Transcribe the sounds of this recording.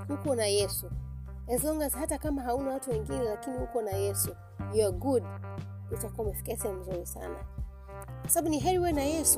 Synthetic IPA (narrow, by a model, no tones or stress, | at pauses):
hukɔnajɛsu | ɛzlɔŋɡazhatakamaɦaunawatuwɛŋɡinɛlakinihukɔnajɛsu | juɔɡud | itakuamɛfi̥kɛsɛm̩zuɾisa̰na̰ | kwasababuniɦɛɾiwɛnajɛsu